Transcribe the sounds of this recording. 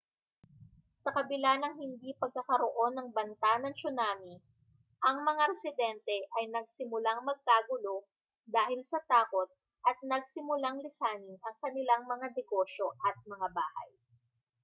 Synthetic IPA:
sɐkɐbɪlanɐŋhɪnd̪ipɐɡ̚kɐkɐɾoʔo̞nːɐŋbɐnt̪anɐŋsʊnaːmi | ʔɐŋmɐŋaɾɛsɪd̪ɛnt̪ɛʔɐjnɐɡ̚sɪmʊlaŋmɐɡ̚kaːɡʊlo̞ | d̪aːhɪlsɐt̪aːko̞t̪̚ | ʔɐt̪̚nɐɡ̚sɪmʊlaŋlɪsaːnɪnɐŋkɐnɪlaŋmɐŋad̪ɛɡo̞ʃo̞ʔɐt̪̚mɐŋabaːhɐ̰j

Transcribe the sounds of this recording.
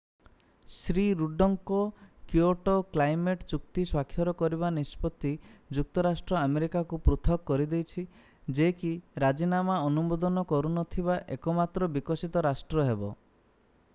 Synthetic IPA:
sɾiɾuɖɔŋkɔkjuoʈoklajmeʈt͡ʃuk̚t̪iswakʰːjɔɾɔkɔɾibanispɔt̪ːid͡ʒuk̚t̪ɔɾasʈɾɔameɾikakupɾut̪ʰɔkːɔɾid̪ejt͡ʃʰi | d͡ʒekiɾad͡ʒinamaɔnumɔd̪ɔnɔkɔɾunɔt̪ʰibaʔekɔmat̪ɾɔbikɔsit̪ɔɾasʈɾɔɦebɔ

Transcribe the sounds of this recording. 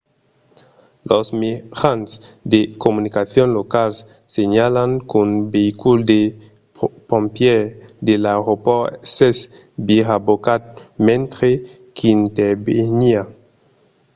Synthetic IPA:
lʔosmeʁansd̪ekomunikaθjonlokals | seɲalaŋkunbeikuld̪e | põmpjed̪elaɾoposes | biʁabokat̪̚mẽnt̪ɾe | kʰint̪ebeɲia

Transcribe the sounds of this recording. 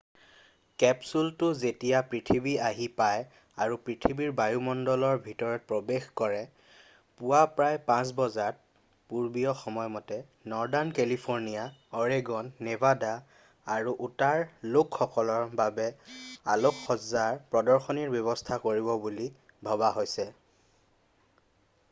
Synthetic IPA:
kɛpsultʊzetijapɹitʰibiaɦipaj | aɹupɹitʰibiɹbajumɔndɔlɔɹbʱitɔɹɔt̚pɹobexkɔɹɛ | puwapɹajpãs̬bɔzat̚ | puɹbijɔxɔmɔjmɔtɛ | nɔɹdankelipʰoɹnijaɔɹeɡɔnːebadaː | ɹuʔutaɹlokxɔkɔlɔɹbabɛa̰lokxɔzaɹpɹɔdɔɹxɔniɹbjɔβɔstʰakoɹibɔbuli | bʱɔbaɦojsɛ

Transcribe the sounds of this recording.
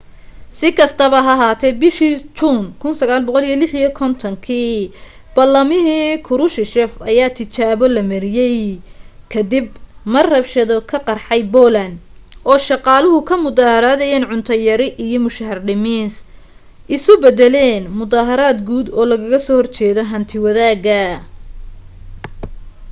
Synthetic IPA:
sɪkʰɐst̪ʰɐβɐɦɐɦaːt̪ʰɛːd̪̚bɪʃiːt͡ʃunkʰʊnsɐɣaːlbɔqɔlijɔlɪħijɔkʰɔnt̪ʰɔŋkʰiː | b̥ɐlːɐmɪɦiːkʰʊɾʊʃɪʃɛfɐjaːt̪ʰɪt͡ʃaːβɔlɐmɐɾɪjɛjkʰɐd̪ɪbmɐrrɐbʃɐðɔkʰɐqɑrħɑjbɔːlɐnʔɔːʃɑqɑːlʊɦʊkʰɐmʊðaːhɐɾaːðɛjɛnʕʊnt̪ʰɐjɐɾɪʔijɔmʊʃɐhɐrɖɪmɪːns | ʔɪsʊbɛðɛlɛːnmʊðaːɦɐɾaːd̪ɡuːd̪ɔːlɐɣɐɣɐsɔːhɔrt͡ʃɛːðɔɦɐnt̪ʰɪwɐðaːɡɐ

